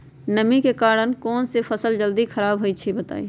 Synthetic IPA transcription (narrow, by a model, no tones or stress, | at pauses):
nəmikekaɾənkɔːnsepʰəsəld͡ʒəld̪ikʰəɾaːbɦot͡ʃʰibət̪a̰ːi